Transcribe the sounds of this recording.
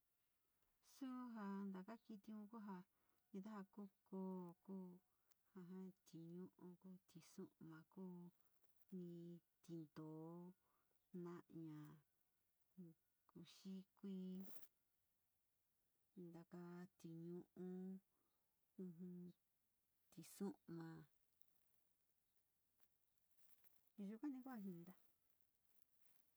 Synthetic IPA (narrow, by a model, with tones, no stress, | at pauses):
su˦ɦa˧nd̪a˨ka˦ki˧t̪i˧ũ˧˦ku˦ɦa˧ | ɲĩ˧t̪a˦ha˧ku˦koː˧˦˨kuː˦ | ha˧ɦã˦t̪i˨ɲũ˦ʔũ˧kuː˦t̪i˧sũ˦ʔmã˨kuː˦ | nĩ˧t̪i˧nd̪oː˨˦ | nã˦ʔɲã˨ | ku˧ʃi˦kʷi˦ | nd̪a˧ka˧t̪i˨ɲũ˧ʔũ˧˦ | ũ˧ɦũ˧ | t̪i˨sũ˦ʔmã˨˧ | ʒu˧kʷã˦nĩ˧˦ku˦a˧ɦĩ˧nd̪a˦